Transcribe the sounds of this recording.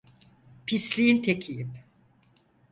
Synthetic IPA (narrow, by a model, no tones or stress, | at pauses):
pʰislʲijint̪ʰecʰijim